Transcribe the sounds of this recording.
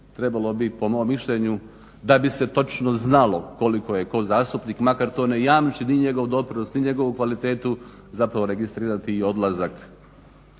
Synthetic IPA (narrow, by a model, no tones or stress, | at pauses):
t̪ɾe̞balˠo̞bipo̞moːmːiʃʎeɲu | d̪abise̞t̪o̞t͡ʃnoznalo̞ko̞liko̞jeko̞zaːst̪upniːkmakaɾt̪oːnejaːmt͡ʃiniɲe̞ɡo̞ʋd̪o̞pɾinost̪niɲe̞ɡo̞ʋukʋalit̪e̞ːt̪u | zapɾaʋo̞ɾe̞ɡist̪ɾiːɾat̪iːo̞d̪lazak